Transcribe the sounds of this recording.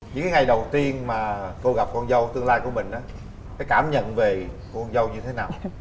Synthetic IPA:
ɲɲɨ̰˧˥ŋkaː˨˦ŋa˨˩jɗə˨˩wt̪i˧ənmaː˨˩ko˧wɣa˨˩p̚kɔ˧nzə˧wt̪ɨ˧əŋlaː˧jku˧˩əmï˨˩ŋ̟ʔaː˨˦ | kaː˨˦jkaː˧˩mɲə̰˧˨nve˨˩kɔ˧nzə˧wɲɨ˧t̪ʰe˨˦naː˨˩w

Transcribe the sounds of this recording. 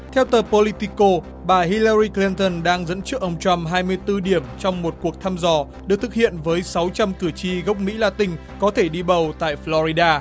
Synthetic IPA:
t̪ʰɛ˧wt̪əː˨˩po˧li˧t̪i˧ko˧ | ɓaː˨˩hi˧ləː˧ɾi˧kli˧nt̪ə˧nɗaː˧ŋzə̰˧˥nt͡ɕɨ˦˥ək̚ʔə˧wŋ͡mt͡ɕwa˧mɦaː˧jmɨ˧əjt̪ɨ˧ɗi˧˩əmt͡ɕɔ˧wŋ͡mmo˨˩t̚ku˨˩ək̚t̪ʰaː˧mzɔ˨˩ | ɗɨ˨˩ək̚t̪ʰɨ˨˩k̚hʰḭ˧˨ənvəː˨˦jsa˨˦wt͡ɕa˧mkɨ˧˩ət͡ɕi˧ɣə˦˥wk͡p̚mḭ˧˥laː˧˩t̪ï˧˩ŋ̟ | kɔ˨˦t̪ʰe˧˩ɗi˧ɓə˨˩wt̪a̰ː˧˨jflɔ˧zi˧ɗaː˧

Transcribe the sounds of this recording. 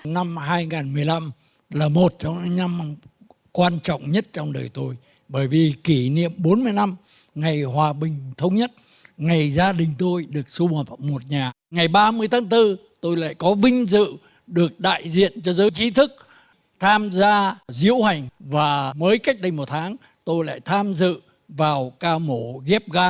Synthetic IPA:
na˧mɦaː˧jŋaː˨˩nmɨ˨˩əjla˧m | laː˨˩mo˨˩t̚t͡ɕɔ˧wŋ͡ma˧˦na˧m | kwaː˧nt͡ɕɔ̰˧˨wŋ͡mɲə˦˥t̚t͡ɕɔ˧wŋ͡mɗəː˨˩jt̪o˧j | ɓəː˧˩jvi˨˩ki˧˩nḭ˧˨əmɓo˨˦nmɨ˧əjna˧m | ŋa˨˩jɦwaː˨˩ɓï˨˩ŋ̟t̪ʰə˨˦wŋ͡mɲə˦˥t̚ | ŋa˨˩jzaː˧ɗï˨˩ŋ̟t̪o˧jɗɨ˨˩ək̚su˧həː˨˩p̚mo˨˩t̚ɲaː˨˩ | ŋa˨˩jɓaː˧mɨ˧əjt̪ʰaː˨˦ŋt̪ɨ˧ | t̪o˧jla̰ː˧˨jkɔ˨˦vï˧ŋ̟zɨ̰˧˨ | ɗɨ˨˩ək̚ɗa̰ː˧˨jzḭ˧˨ənt͡ɕɔ˧zəː˨˦jt͡ɕi˨˦t̪ʰɨ˦˥k̚ | t̪ʰaː˧mzaː˧zḭ˧˥əwha˨˩jŋ̟vaː˨˩məː˨˦jka˦˥jk̚ɗə˧jmo˨˩t̚t̪ʰaː˨˦ŋ | t̪o˧jla̰ː˧˨jt̪ʰaː˧mzɨ̰˧˨ | vaː˨˩wkaː˧mo˧˩ɣi˦˥p̚ɣaː˧

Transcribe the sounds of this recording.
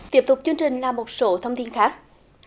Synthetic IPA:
t̪i˦˥əp̚t̪ʊ˨˩k͡p̚t͡ɕɨ˧əŋt͡ɕï˨˩ŋ̟laː˨˩mo˨˩t̚so˨˦t̪ʰə˧wŋ͡mt̪i˧nxaː˦˥k̚

